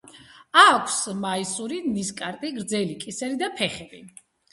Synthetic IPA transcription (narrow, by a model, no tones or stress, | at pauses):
akʷʰsmaisuɾiniskʼaɾt̪ʼiɡɾd̪zɛlikʼisɛɾid̪apʰɛχɛbi